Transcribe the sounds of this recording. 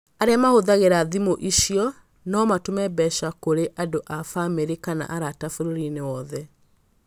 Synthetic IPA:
aɾeamahoðaɣeɾaðimoʔiʃiɔ | nɔmatomɛbɛʃakoɾeʔadoʔafameɾekana̰ʔaɾatafoɾoɾinewɔðɛ

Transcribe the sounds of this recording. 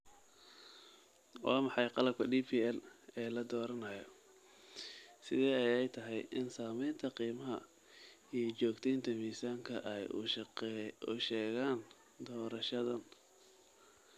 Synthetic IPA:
wʔɑːmɑħɑjqɑlɐb̚kʰɐɖiːpʰiːɛlɛːlɐd̪ɔːɾɐnɐjɔ | sɪðɛːɛjɛjt̪ʰɐɦɛjʔɪnsaːmɛjnt̪ʰɐqiːmɐɦɐ̰ | ijɞt͡ʃɔːɡt̪ʰɛjnt̪ʰɐmiːsaːŋkʰɐ̰ʔɛj | ʊʃɛːɣaːn | d̪ɔːɾɐʃɐðɐn

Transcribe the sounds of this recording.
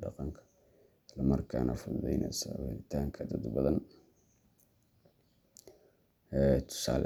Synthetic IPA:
ɖɑqɑŋkʰɐ̥ | slɐmɐrkʰaːnʔɐfʊðɛ̰jnʔɛ̰sɐhɪ̰lɪt̪ʰaːŋkʰɐd̪ɐd̪bɐðɐn | ɛːt̪ʰʊ̥saːl

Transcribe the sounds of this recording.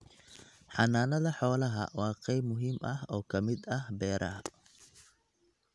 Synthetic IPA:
ħɑnaːnɐðɐħɔːlɐɦɐ̰wɑːqɛjmʊɦiːmʔɐhɔːkʰɐmɪd̪ɐhbɛːɾʔɐ̰ɐ

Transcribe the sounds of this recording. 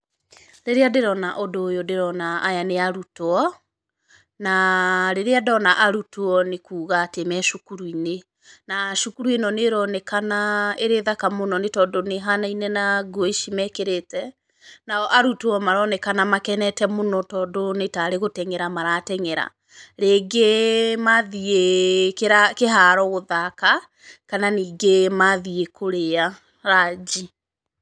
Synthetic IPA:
ɾeɾeadeɾɔnaʔodoːjodeɾɔnaːjaneaɾutoɔ | naɾeɾeadɔnaʔaɾutoɔnekuːɣaːtemɛʃokuɾuine | naʃokuɾuenɔneɾɔnɛkanaeɾeðakamonɔnetɔdoneɦanainɛnaɡoeʃimɛkeɾetɛ | naɔʔaɾutoɔmaɾɔnɛkanamakɛnɛtɛmonɔtɔːdonetaɾeɣotɛŋeɾamaɾatɛŋeɾa̰ | ɾeːɡemaðiekeɾakeɦaɾɔɣoðaka | kananiːɡemaðiekoɾea | ɾad͡ʒi

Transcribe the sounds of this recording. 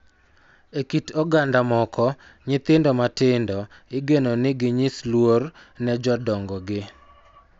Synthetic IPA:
ekitɔɡandamɔkɔ | ɲɪt̪ɪndɔmatɪndɔ | ɪɡenonɪɡɪɲɪslwor | nɛd͡ʒɔdɔŋɡɔɡɪ

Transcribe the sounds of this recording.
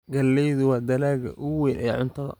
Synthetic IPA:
ɡɐlːɛjðʊwɑːd̪ɐlaːɡɐ̰ʔʊwɛjnʔɐj̰ʕʊnt̪ʰɐðɐ̰

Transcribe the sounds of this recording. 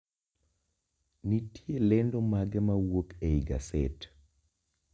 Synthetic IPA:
nitjelɛndɔmaɡɛmawokeiɡa̰sɛt

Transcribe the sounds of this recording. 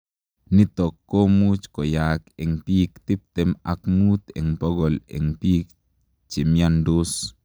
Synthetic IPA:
nit̪ɔkːomut͡ʃkɔjakɛŋpikt̪ɪp̚t̪ɛma̰kmut̪ɛ̰ŋpɔɡɔlɛ̰ŋpiːk̚ | t͡ʃimjandos

